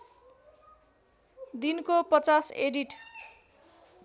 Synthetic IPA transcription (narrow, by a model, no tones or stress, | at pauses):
d̪inkopʌt͡saseɖiʈ